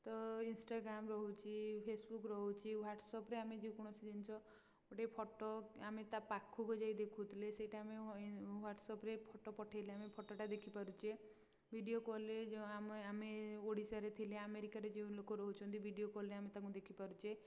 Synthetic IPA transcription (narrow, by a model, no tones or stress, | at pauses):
t̪ɔinsʈaɡɾamɾɔɦut͡ʃʰipʰesbukɾɔɦut͡ʃʰiwaʈsɔpɾeamed͡ʒeũkɔɽ̃ɔsid͡ʒant͡ʃʰɔ | oʈepʰɔʈɔamet̪apakʰːuɡɔd͡ʒajd̪ekʰut̪ʰileseʈaːmewaʈsɔpɾepʰɔʈopɔʈʰajleamepʰɔʈoʈad̪ekʰipaɾut͡ʃʰie | bʱiɖiokɔled͡ʒamameoɽisaɾet̪ʰileameɾikaɾed͡ʒeũlokɔɾɔɦut͡ʃʰɔnt̪ibʱiɖijokɔlɾeamet̪akũd̪ekʰipaɾut͡ʃʰe